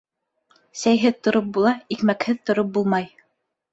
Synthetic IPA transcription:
sæjɦɘðt̪ŏɾop̚bulˠɑikmækhɘðt̪ŏɾop̚bulˠmɑj

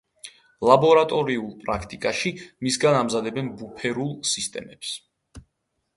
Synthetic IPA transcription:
lˠabɔɾat̪ʼɔɾiulˠpʼɾakʰt̪ʼikʼaʃimisɡanamzad̪ɛbɛnbupʰɛɾulˠsist̪ʼɛ̰mɛps

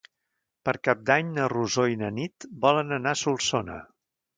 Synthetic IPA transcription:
pəɾkap̚d̪aɲnəruzoinənit̪bɔlənənasulˠsonə̰

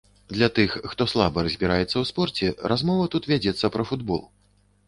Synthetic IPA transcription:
d̪lʲɐt̪ɨxːt̪ɔslˠabɐɾɐzʲbʲiɾajɛt̪sːɐwspɔrt͡sʲɛɾʔazmɔvɐt̪ut̪vʲad͡zʲɛt̪sːɐpɾɐfud̪bɔ̰lˠ

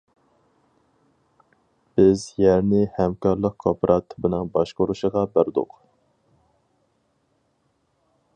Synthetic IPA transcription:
b̥ɪzjɛɾnɪhɛmkɑɾlˠəq̚kʰopɾʔɑt̪ʰːɨbɨnɨŋbɑʃqoɾuʃəʁɑbæɾd̪ʊ̰q

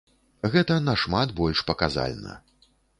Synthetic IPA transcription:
ɣɛt̪ɐnɐʂmat̪bɔlʲʂpɐkaza̰lʲnɐ̰

